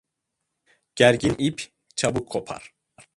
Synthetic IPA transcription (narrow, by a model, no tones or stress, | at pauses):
ɟ̥æɾɟinʔipʰ | t͡ʃʰabukʰːopʰa̰ɾ